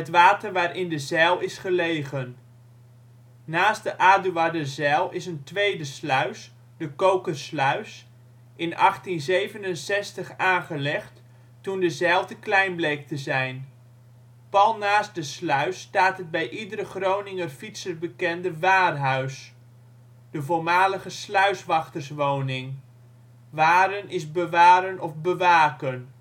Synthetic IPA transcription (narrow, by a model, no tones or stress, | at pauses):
ɦətʋaːtəɹʋaːɾʔɪndəzɛːlˠɪsχəlejχən | aːsdəʔaːduadəzɛːlˠɪsəntʋejdəslœɥs | dəkowkəslœɥs | ʔɪnɑχtinzejvənənsɛstəχaːnχəlɛχt | tundəzɛːlˠtəklɛjnblejk̚təzɛjn | pɑlˠnaːsdəslœɥstaːtɦəd̚bɛjʔidəɾəχrownɪŋənfitsərbəkɛndəʋaːrɦœɥs | d̥əvoːɹmaːləχəslœɥsʋɑχtərsʋownɪŋ | ʋaːɾənʔɪzbəʋaːɾənɔfbəʋaːkən